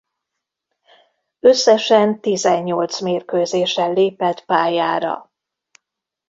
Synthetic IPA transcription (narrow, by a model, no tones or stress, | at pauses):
ø̞sːɛʃɛnt̪izɛɲːo̞lt̪smeːrkøːzeːʃɛnleːpɛt̪paːjaːɾɒ̰